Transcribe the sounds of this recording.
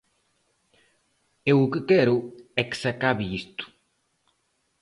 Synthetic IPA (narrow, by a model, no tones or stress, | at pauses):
ewʊkekɛɾʊɛksakaβiist̪u̥